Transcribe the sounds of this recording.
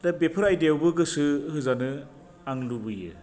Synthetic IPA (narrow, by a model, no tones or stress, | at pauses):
dabepʰɯɾajdewbɯɡɯsɯhɯzanɯ | aŋlubɯjɯ̰